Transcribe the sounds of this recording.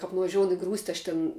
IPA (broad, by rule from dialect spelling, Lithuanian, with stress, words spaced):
kɐp nʊʋɐˈʒʲoːʊn ɪ ˈɡruːsʲtʲɪ ɐʃ ˈtʲɛn